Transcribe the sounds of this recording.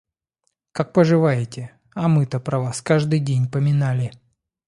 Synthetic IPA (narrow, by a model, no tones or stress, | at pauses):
kak̚pəʐɨvajɪtʲɪ | ɐmɨt̪əpɾɐvaskaʐd̪ɨjdʲenʲpəmʲɪnalʲɪ